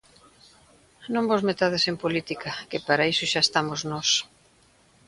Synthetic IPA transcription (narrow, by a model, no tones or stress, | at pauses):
nõmbozmet̪aðesempolit̪ikʰɐkɪpaɾaisʊʃaest̪amoznɔs